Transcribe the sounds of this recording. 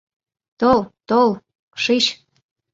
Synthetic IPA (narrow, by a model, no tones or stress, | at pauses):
t̪olt̪ol | ʃiɕ